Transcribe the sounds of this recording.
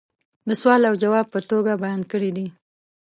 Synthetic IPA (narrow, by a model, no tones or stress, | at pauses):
d̪əswɑlawd͡ʒawɑb̚pət̪oɡabajɑnkəɽid̪i